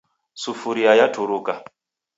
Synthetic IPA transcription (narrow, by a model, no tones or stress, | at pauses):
sufuɾiajatʰuɾuka